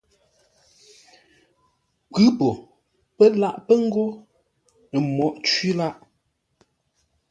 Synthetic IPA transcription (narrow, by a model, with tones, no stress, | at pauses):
kʉ˦po˨ | pə˦la˦ʔpə˦ŋ̩˦ɡo˦ | nə˨mɔ˨˦˨ʔt͡ʃɥi˦la˦ʔ